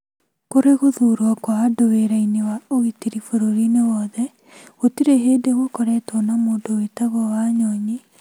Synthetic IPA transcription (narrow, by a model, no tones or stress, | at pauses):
koɾeɣoðuɾwakwaadoweɾainewaoitiɾifoɾoɾinewɔðɛ | ɣotiɾeɦeːdeɣokɔɾɛtɔnamoːndowetaɣɔwaɲɔɲi